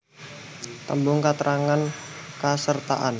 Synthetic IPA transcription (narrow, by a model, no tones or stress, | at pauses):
t̪əmbʊŋkat̪əɾʔaŋankasərt̪a̰ʔan